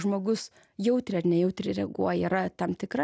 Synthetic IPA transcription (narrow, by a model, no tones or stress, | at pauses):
ʒmoːɡʊs | jɛʊt̪ʲɾʲɪɐrnʲɛjɛʊt̪ʲɾʲɪɾʲɛɡuɔjɛiːɾɐt̪ɐmt̪ʲɪkɾɐ